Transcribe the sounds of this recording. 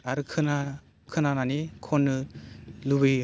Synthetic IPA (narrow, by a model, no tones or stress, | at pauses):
aɾɯkʰɯna | kʰɯnananikʰɔnːɯlubɯ